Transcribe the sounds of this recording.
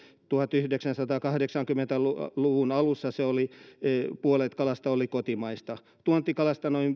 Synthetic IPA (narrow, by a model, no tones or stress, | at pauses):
t̪uhɑt̪yhdeksænsɑt̪ɑːkɑhdeksɑŋkymːˑent̪æluluʋunɑlusːɑseoli | puolet̪kɑlɑst̪ɑolikot̪imɑist̪ɑ | t̪uont̪ikɑlɑst̪ɑnoim